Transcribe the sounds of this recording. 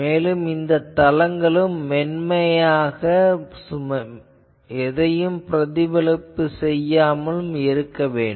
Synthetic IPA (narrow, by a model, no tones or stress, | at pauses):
meːlɯmɪnd̪ɐt̪ːɐlɐŋɡɐɭɯmːɛɳmɐjaːɣɐsʊmɐ | ɛðɐjɯmpɪɾɐðɪʋɐlɯpːɯsɛjːaːmɐlɯmɪɾɯkːɐʋeːɳɖ